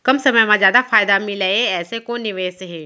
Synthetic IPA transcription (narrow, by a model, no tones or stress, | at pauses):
kɐmsɐməjmãzjaːd̪afaːjd̪amɪlaeɛːsekonɪʋeːsɦeː